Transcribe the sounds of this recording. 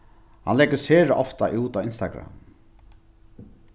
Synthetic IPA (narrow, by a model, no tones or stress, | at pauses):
ha̰nlɛɡəseːɾəʔɔft̪aʔuːt̪aːɪnst̪aɡɾa̰m